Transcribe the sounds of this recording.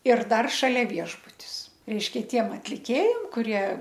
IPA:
ɪr ˈdɐr ʃɐˈlʲɛ ˈʋʲiɛʒbʊtʲɪs ˈrʲɛɪʃʲˈkʲɛ ˈtʲiɛm ɐtʲlʲɪˈkʲeːjɛm kʊˈrʲiɛ

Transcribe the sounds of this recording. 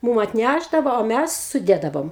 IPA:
ˈmuːm ɐtʲˈnʲæʒdɐʋoː oː ˈmʲæs sʊˈdʲeːdɐʋoːm

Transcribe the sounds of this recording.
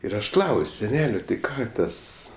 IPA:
ɪr ˈɐʃ ˈklˠɐʊsʲ sʲɛˈnʲæːlʲoː tʲɪ ˈkɑː ˈtɐs

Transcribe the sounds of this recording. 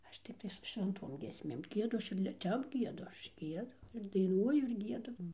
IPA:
ˈɐʃ tʲɪkˈtɐɪs sʊ ʃʲʋʲɛnˈtoːm ɡʲiɛsʲˈmʲeːm ˈɡʲiɛdʊ ˈɐʃ ɪr lʲɪ ˈtʲɛp ˈɡʲiɛdʊ ˈɐʃ ˈɡʲiɛdʊ ɪr dɐɪˈnuɔjʊ ɪr ˈɡʲiɛdʊ

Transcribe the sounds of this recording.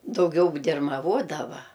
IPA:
dɐʊˈɡʲɛʊ dʲɪrmɐˈʋoːdɐʋɐ

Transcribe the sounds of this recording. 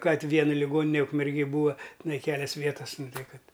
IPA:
ˈkɐt ˈʋʲiɛn lʲɪˈɡoːnʲɪnʲɛ ʊkmʲɛrʲˈɡʲeːj ˈbuːɐ tʲɪˈnɐɪ ˈkʲæːlʲɛs ˈʋʲiɛtɐs ˈnʊ ˈtɐɪ ˈkɐt

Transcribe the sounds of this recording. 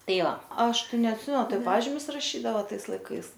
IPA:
ˈtɐɪ ˈʋɐ ˈɐʃ ˈtɐɪ nʲɛɐtʲˈsʲɪmʲɛn ˈtɐɪ ˈpɑːʒʲɪmʲʊs rɐˈʃʲiːdɐʋoː ˈtɐɪs lˠɐɪˈkɐɪs

